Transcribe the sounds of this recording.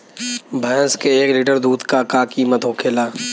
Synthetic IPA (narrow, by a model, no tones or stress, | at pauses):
bʱɛ̃ːskeeːkliʈəɾd̪uːd̪kakakiːmət̪ɦoːkʰeːlaː